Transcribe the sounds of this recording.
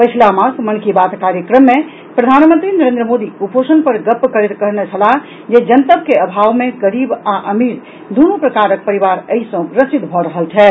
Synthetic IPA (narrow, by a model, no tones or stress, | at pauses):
pət͡ʃʰlamãsmənkibat̪kaɾjəkɾəmːe | pɾəd̪ʱanmə̃nt̪ɾinəɾẽnd̪ɾəmod̪iuposənpəɾɡəpːkəɾet̪kəɾnet͡ʃʰəla | d͡ʒed͡ʒənt̪əbkeəbʱaʋmeɡəɾibaʔəmiɾ | d̪unupɾəkaɾək̚pəɾibaɾəɦisə̃ɾəsit̪bʱɔɾəɦəlt͡ʃʰɛ